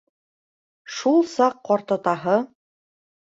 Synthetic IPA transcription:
ʃulˠsɑqːɒɾt̪ɤ̆t̪ɑɦɤ

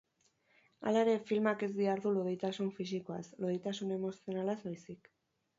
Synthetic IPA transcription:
a̰laeɾe̞filmake̞zðiaɾðuloðejt̪asuɱfis̬ikoa̰sloðejt̪asune̞mo̞sio̞nalazβajsik

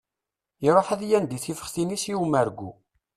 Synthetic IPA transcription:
iɾˤoħæðjænd̪iθifə̥χθinisiumːæɾɡʷːu

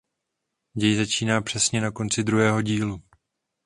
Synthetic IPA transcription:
ɟɛjzat͡ʃiːnaːpr̥ɛsɲɛnako̞nt͡sɪd̪ɾuɦɛːɦo̞ɟiːlu

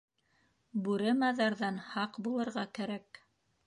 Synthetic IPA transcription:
bʉɾɘmɑðɑɾðɑnhɑqbulˠɤ̆ɾʁɑkæɾæk

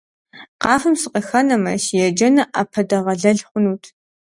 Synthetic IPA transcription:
qɑːfɨmsɨqəxɐnɐmɐ̰ʃjɛd͡ʒɐnɐʔɐpʰɐdɐʁɐɮɐɮχʷʊnuːtʰ

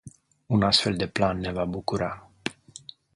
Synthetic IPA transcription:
unast̪fe̞ld̪e̞planːe̞vabukuɾa

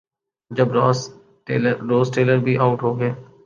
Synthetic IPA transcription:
d͡ʒəbɾːzː | ɾoːzʈeːləɾbʱiːʔaːʊʈɦoːɡeː

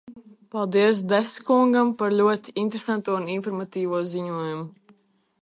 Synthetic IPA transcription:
palˠd̪iɛs̬d̪ɛskuŋɡampaɾlʲuɔt̪i̥int̪ɾesant̪uɔuninfɔɾmat̪iːvuɔziɲuɔjumu

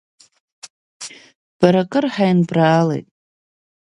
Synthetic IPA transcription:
b̥aɾakʼɨrħajnbraːlḛjtʼ

